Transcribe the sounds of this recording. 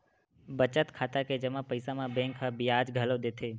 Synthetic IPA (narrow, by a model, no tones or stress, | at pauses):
bət͡ʃət̪kʰaːt̪aked͡ʒəmãpəɪsãmãbẽŋkɦabɪjaːd͡ʒɡʱəlod̪et̪ʰeː